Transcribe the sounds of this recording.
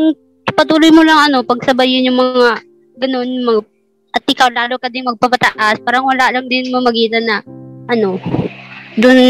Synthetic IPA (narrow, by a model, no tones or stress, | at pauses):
ŋ | pɐt̪̬uːlojmolɐŋɐno̞pɐɡ̚sɐbajɪnjʊŋmɐŋa | ɡɐno̞nmɐŋa | ʔɐt̪̚ʔɪkawlaːlokɐd̪ɪŋmɐɡ̚pɐpɐt̪ɐʔaspaːɾɐŋwɐlaʔlɐŋd̪ɪnmɐmɐɡiːt̪ɐnɐʔɐno̞ | d̪ʊn